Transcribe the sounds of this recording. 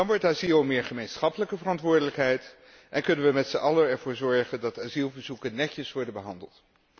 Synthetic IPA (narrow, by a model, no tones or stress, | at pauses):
dɑnʋɔɹtaːzilˠmɪːɹχəmejnsχɑpələkəvərɑntʋʊːɹdələkɦɛjt | ʔɛnkɵnənʋəmɛtsəʔɑləɛɹvʊːɹzɔɹχəndɑtaːzilˠvəɹzukənːɛcəsʋɔɹdənbəɦɑndə̰lˠt